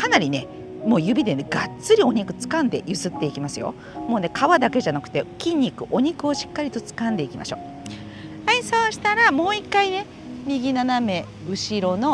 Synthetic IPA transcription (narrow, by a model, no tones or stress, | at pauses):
kanaɾʲine̞ | mo̞ːjɯ̟bʲid̪e̞neɡat͡sɨɾʲio̞ɲ̟ikɯ̟̥t͡sɨ̥kãnd̪e̞jɯsɨt̪ːe̞ikʲimasɨjo̞̰ | mo̞ːne̞kʰaβad̪ake̞ʑanakɯ̥t̪e̞kʲĩɲ̟ʲːikɯ̟ʔo̞ɲ̟ikɯ̟o̞ɕi̥kːaɾʲit̪o̞t͡sɨ̥kãnd̪e̞ikʲima̰ɕo̞ː | aiso̞ːɕi̥t̪aɾamo̞ːikːaine̞ | mʲiɡʲinaname̞ | ɯ̟ɕiɾo̞no̞